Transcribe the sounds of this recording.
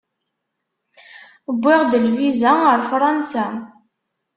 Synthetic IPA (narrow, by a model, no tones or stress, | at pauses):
əbʷːɪʁd̪əlvizæəɾfɾˤɑnsæ